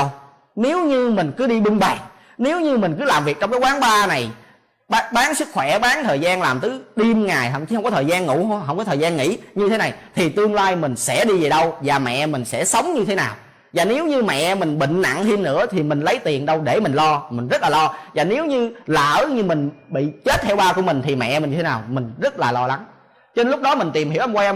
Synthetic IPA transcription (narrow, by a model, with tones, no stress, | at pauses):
w | ne˨˦wɲɨ˧mï˨˩ŋ̟kɨ˨˦ɗi˧ɓɨ˧ŋɓaː˨˩ŋ | ne˨˦wɲɨ˧mï˨˩ŋ̟kɨ˨˦laː˨˩mvi˨˩k̚t͡ɕɔ˧ŋ͡mkːkwaː˨˦ŋɓaː˧na˨˩j | ɓa˨˧ɓaː˨˦ŋsɨ˦˥k̚xwɛ˧˩ɓaː˨˦ŋt̪ʰəː˨˩jzaː˧nlaː˨˩mt̪ɨ˨˦ɗi˧mŋaː˨˩jɦə̰˧˩wŋ͡mt͡ɕi˧˦hə˧ŋ͡mkɔ˨˦t̪ʰəː˨˩jzaː˧nŋṵ˧˥ho˧ɦə˧ŋ͡mkɔ˨˦t̪ʰəː˨˩jzaː˧nŋḭ˧˥ɲɨ˧e˨˦na˨˩jt̪ʰi˨˩t̪ɨ˧əŋlaː˧jmï˨˩ŋ̟sɛ̰˧˥ɗi˧ve˨˩ɗə˧wvaː˨˩mɛ̰˧˨mï˨˩ŋ̟sɛ̰˧˥sə˨˦wŋ͡mɲɨ˧t̪ʰe˨˦naː˨˩w | vaː˨˩ne˨˦wɲɨ˧mɛ̰˧˨mï˨˩ŋ̟ɓḭ̈˧˨ŋ̟na̰˧˨ŋhi˧nnɨ̰˧˥ət̪ʰi˨˩mï˨˩ŋ̟lə˨˦jt̪i˨˩ənɗə˧wɗe˧˩mï˨˩ŋlɔ˧mï̟˨˩zə˦˥t̚laː˨˩lɔ˧vaː˨˩ne˨˦wɲɨ˧la̰ː˧˨˥ɲɨ˧mï˨˩ŋ̟ɓḭ˧˨t͡ɕe˦˥t̚t̪ʰɛ˧wɓaː˧ku˧˩əmi˨˩ŋ̟t̪ʰi˨˩mɛ̰˧˨mi˨˩ŋɲɨ˧e˦naː˨˩wmï˨˩ŋ̟zə˦˥t̚laː˨˩lɔ˧la˨˦m | t͡ɕe˧nlʊ˦˥k͡p̚ɗɔ˨˦mï˨˩ŋ̟t̪i˨˩mhi˧˥əʔwa˧